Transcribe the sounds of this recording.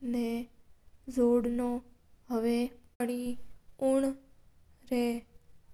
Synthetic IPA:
ne | zoɽno | ɦəʋeəɽiuɳ | ɾe

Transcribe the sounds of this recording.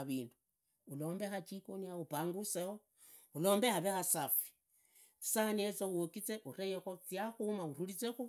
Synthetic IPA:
βiːndu | ulo̞ːmbe̞xat͡ʃikoniaupaːŋɡuseo | ulo̞ːmbe̞xaβexasafi̥ | t͡si̥saniet͡sowokit͡seʔuɾejexot͡sjaxumaurulit͡sexu

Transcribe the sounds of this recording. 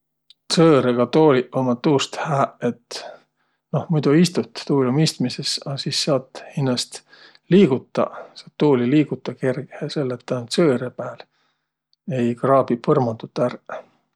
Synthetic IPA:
t̪søːɾeɡ̥ɑt̪oːliʔomɑt̪ːuːst̪hæːʔe̞t̪ | no̞hmujd̪̥uist̪ut̪t̪uːlʲumist̪mise̞sɑsiːsːɑːt̪ːhinːɑst̪ | liːɡut̪ːˑɑ̰sɑːt̪ːuːliliːɡut̪ˑːɑkerɡ̥ehese̞lːet̪ːænut̪sɤːɾepæːl | e̞jkrɑːb̥ipɤrmɑt̪ut̪ːˑær

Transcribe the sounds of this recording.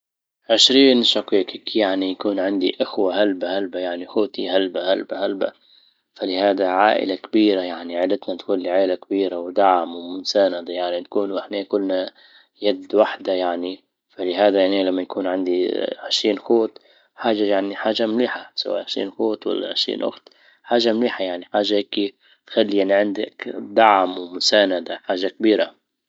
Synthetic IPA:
ʕɪʃɾiːnʃɑqiːkikjaʕnijakuːnʕɪnd̪iʔɪxwaɦalbahalbajaʕnixoːt̪ihalbahalbahalba̰ | falɪhaːd̪aʕaːʔɪ̰lakabiːɾajaʕniʕalɪt̪nat̪kuːnliʕaːlakabiːɾawd̪aʕmwmʊnsanad̪ajaʕnit̪ḁkuːnwʔɪħneːkʊlːna | jad̪waħd̪ajaʕni | falɪɦaːd̪ajaʕnilamːajakuːnʕɪnd̪iʕɪʃɾiːnxoːt̪ | ħaːʒajaʕniħaːʒamliːħasa̰wa̰ːʔʕɪʃɾḭːnxoːt̪wa̰lːa̰ʕɪʃɾḭːnʔʊ̰xt̪ | ħaːʒamliːħajaʕniħaːʒaheːki | t̪xalːijaʕniʕɪnd̪akd̪aʕmwmʊsaːnad̪aħaːʒak̚biːɾa

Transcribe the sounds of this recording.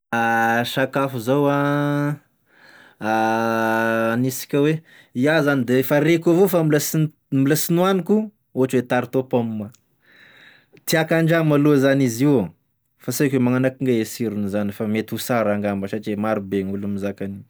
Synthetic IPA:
aʃakafuzawa | a | nisi̥kʲəwe | iazanid̪efaɾekavofamilas | milasinuaniku | oaʈ͡ʂwet̪aɾit̪opomma | t̪iakaɳɖ͡ʐamaluazaniziwa | fasakʲwemaŋanakiŋɡaesiɾunizanifamet̪usaɾaŋɡambaʃaʈ͡ʂemaɾubeŋulumizakani

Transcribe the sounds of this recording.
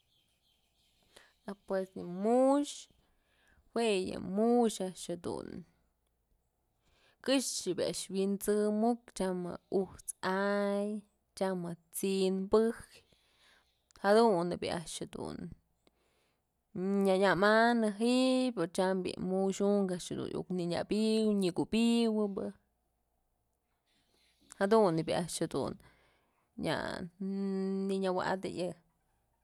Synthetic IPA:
apwesɲɨmuʃ | hwejɨ̰muʃaʔʃhad̪ṵn | kɨʃt͡ʃibʲia̰ʔʃwint͡sɨmukt͡ʃamɨ̰uht͡saj | t͡ʃamɨt͡sinbɨk | had̪unːɨbʲḭʔaʔt͡ʃhed̪ṵn | ɲaɲamanɨɦiʔpoɾt͡ʃambḭmuʃuŋkaʔt͡ʃhed̪ṵnʔṵkniɲa̰biwɲɨkubiwɨbɨ | had̪unːɨbʲiʔaʔt͡ʃhed̪ṵn | ɲa̰ | niɲawa̰d̪ɨ̰jɨ

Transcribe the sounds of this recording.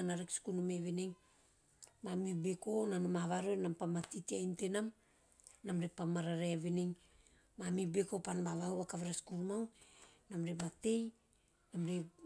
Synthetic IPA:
anaɾekskunumeβeneŋ | mamibeko̞nanomaβaɾenampamatitiajnte̞nam | namɾepamaɾaɾeaβeneŋ | mamibeko̞panmaβawakaβeɾaskuɾmawnamɾemate̞j | namɾe

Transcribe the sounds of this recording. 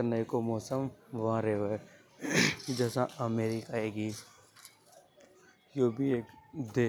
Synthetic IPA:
ənəikomɔːsəmʋɐãɾeːʋe | d͡ʒɛːsãʔəmeːɾikaeːɡiː | joːbʱieːkd̪eː

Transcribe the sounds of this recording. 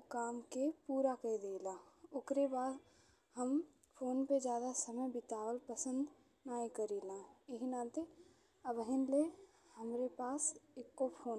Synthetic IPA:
kaːmkepuːɾakəd̪eːlaːʊkɾebaːd̪ | ɦəm | pʰoːnped͡ʒjaːd̪asəməjbɪt̪aːwəlpəsə̃nd̪ | naːĩkəɾiːlãːɪɦinaːt̪e | əbəɦɪnle | həmɾepaːsekːopʰoːn

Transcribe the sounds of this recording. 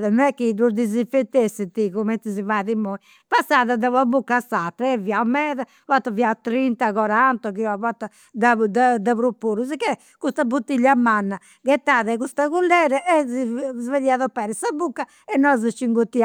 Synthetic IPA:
ðɛnɛkːid̪uɾd̪izifet̪ːesːɛt̪ikumɛnt̪izivaðimoi | pasːaːðad̪aβabukːasat̪ːɾaɛviamɛːða | vat̪ːaviat̪ːɾint̪aɣɔɾant̪ɔkiɔavat̪ːa | d̪ad̪ad̪aβɾupːuːɾuzkɛ | kust̪abut̪ːiʎːamanːa | kɛt̪ːaːðɛɣust̪aɣulːɛɾɛʔɛzveðiaðɔpːɛːɾɛsabukːa | ɛnːɔzt͡ʃiŋɡut̪ːi

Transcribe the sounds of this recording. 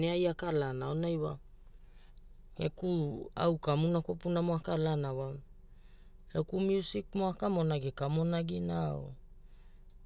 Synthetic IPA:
neajakalanaonajwa | ekua̰wkamunako̞punamoakalanawa | ekumjusikmoakamonaɡikamonaɡinao̰

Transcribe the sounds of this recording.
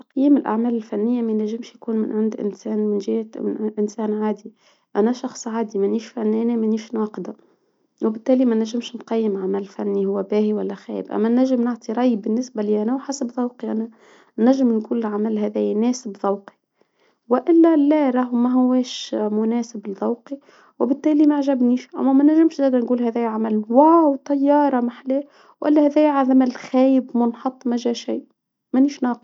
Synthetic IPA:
t̪ɑqjiːmɪlʔa̰ʕmæːlɪlfænːɪjːamænæʒːɪmʃjkuːnmɪ̰nʕɪnd̪ʔɪ̰nsæːnmɪnʒɪhʔɪnsæːnʕaːd̪i | ʔænæʃɑxsˤʕaːd̪imæniːʃfænːænæmæniːʃnwɑːqd̪a | wɪbɪt̪ːæːlimænæʒːɪmʃnqɑjːəmʕamælɪlfæ̰nːihʊwːæbæːhiwælːæxæ̰ːjɪbʔæ̰mːænæʒːɪmnɪʕt̪ˤiɾˤɑjbɪnːɪsbæliʔænæwħasabðˤɑwqiʔænæ | næʒːɪmnkuːllʕamælɦæðɛːjnɛːsɪbðˤɑwqi̥ | wɪʔɪlːælæɾˤɑɦmæɦʊwːɛːʃmʊnɛːsɪblðˤɑwqi | wɪbɪt̪ːæːlimæʕʒæbniːʃʔæ̰mːæmænæʒɪmʃzæːd̪ænɡuːlhæðɛːjʕamælwawt̪ˤɑjːɑːɾˤɑmaħlɛː | wʔæ̰lːæhæðæːjʕaðæmælxæːjɪbmʊnħɑt̪ˤːmæʒæːʃiː | mæniːʃnɑːq

